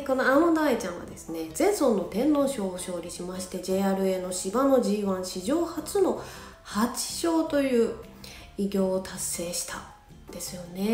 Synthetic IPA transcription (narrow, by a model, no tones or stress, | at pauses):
ko̞noaod̪ait͡ɕãɰ̃βa̰d̪e̞sɨ̥ne̞d͡zẽ̞ɰ̃sõ̞nːo̞t̪ẽ̞nːo̞ːɕo̞ːɕo̞ːɾʲiɕimaɕi̥t̪e̞d͡ʑe̞ːaːɾɯ̟e̞no̞ɕibano̞ʑiːβãɰ̃ɕiʑo̞ːhat͡sɨno̞ | hat͡ɕi̥ɕo̞ːt̪o̞jɯ̟ː | iɡʲo̞ːt̪asːe̞ːɕi̥t̪a | d̪̥e̞sɨjo̞ne̞